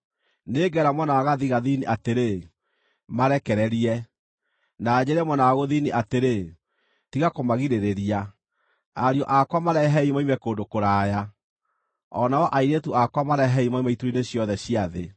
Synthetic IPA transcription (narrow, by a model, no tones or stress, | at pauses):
neːɡɛɾamwɔnawaɣaðiɣaðiniʔateɾe | maɾɛkɛɾɛɾiɛ | naːɲɛɾɛmwɛnawaɣoðiniʔateɾe | tiɣakomaɣiɾeɾeɾia | aɾiɔʔakwamaɾɛɦɛimaimɛkoːndokoɾaːja | ɔ̰naɔʔaiɾetuakwamaɾɛɦɛimaimaituɾineɕjɔðɛɕijaðe